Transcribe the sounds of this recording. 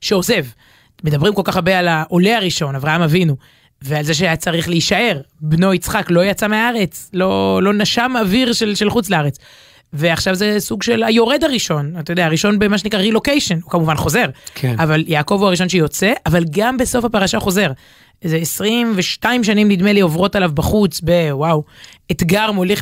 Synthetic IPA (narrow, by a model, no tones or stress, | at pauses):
ʃeoze̞v | me̞d̪abʁimko̞lkaχabealaʔo̞leaʁiʃo̞navʁaɦamavinu | vealze̞ʃ̬eajat͡saʁiχleiʃae̞ʁbno̞it͡sχaklojat͡sameaaʁe̞t͡slo̞lo̞naʃamaviʁʃelʃe̞lχut͡sleaʁet͡s | ve̞aχʃavzesuɡʃe̞lajo̞ʁe̞d̪aʁiʃo̞nat̪ajod̪eaʁiʃo̞nbemaʃ̬enikʁaʁilo̞kejʃenukamuvanχo̞ze̞ʁkʰeavaljaːko̞vuaʁiʃo̞nʃejo̞t͡se̞ʔavalɡambe̞so̞fapaʁaʃaχo̞ze̞ʁ | zeːsʁimveʃtaimʃ̬animnid̪me̞lio̞vʁo̞talavbaχut͡sbe̞wawet̪ɡaʁmoleχ